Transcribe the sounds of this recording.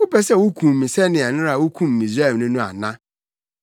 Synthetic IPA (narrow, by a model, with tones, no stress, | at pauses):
wʊ˦pɛ˨sɛ˦wʊ˦kʰũ˨m̩˨mĩ˨sɛ˦nɪ̃˨a˨nʊ̃˦a˨wʊ˦kʰũ˦m̩˨ĩ˨zɾa˦˨nũ˦nũ˦a̰˨nã˦